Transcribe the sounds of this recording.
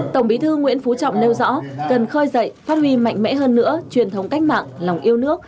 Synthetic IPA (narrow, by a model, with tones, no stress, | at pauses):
t̪ə˧˩ŋ͡mɓi˨˦t̪ʰɨ˧ŋwḭ˧˥ənfu˨˦t͡ɕɔ̰˧˨wŋ͡mne˧wzɔ̰˧˥kə˨˩nxəː˧jzə̰˧˨jfaː˦˥t̚hwi˧ma̰˧˨jŋ̟mɛ̰˧˥ɦəː˧nːɨ̰˧˥ət͡ɕwi˨˩ənt̪ʰə˨˦wŋ͡mka˦˥jk̟̚ma̰ː˧˨ŋla˨˩wŋ͡mʔi˧əwnɨ˦˥ək̚